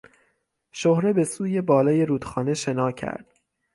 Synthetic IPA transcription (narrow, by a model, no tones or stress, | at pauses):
ʃohɾe̞be̞suːje̞bɒːlɒːje̞ɾuːd̪̥xɒːne̞ʃe̞nɒːcʰæ̰ɾd̪̥